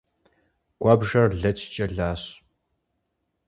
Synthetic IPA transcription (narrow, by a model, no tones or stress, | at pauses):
ɡ̥ʷɑːbʒɐrɮɐt͡ʃʰt͡ʃʼɐɮaːɕ